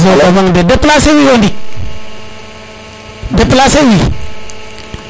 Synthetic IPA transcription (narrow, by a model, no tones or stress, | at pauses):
zoʔomaŋdedaplasewiwondi | daplasewi